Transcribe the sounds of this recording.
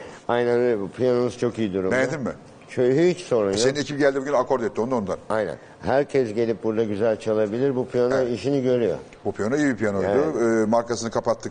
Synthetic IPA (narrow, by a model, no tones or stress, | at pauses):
ajnænølʲbupʰlʲanonuzt͡ʃʰo̞kijid̪uɾumɛned̪imːɪ | t͡ʃʰøjɦyit͡ʃso̞ɾunjsenine̞cʰip̚ɟælʲd̪ibuɡɟynakʰoɾd̪ɛt̪ːio̞naond̪anajnæ̰n | hæɾcʰɛsɟe̞lʲip̚buɾd̪aɟyzælʲt͡ʃʰalˠabilʲiɾbupʰlʲanoiʃiniɟø̞ɾyjo̞̰ | bupʰilʲanoijibipʰilʲanojlˠːmaɾkasɯnɯkʰapat̪ʰːɯk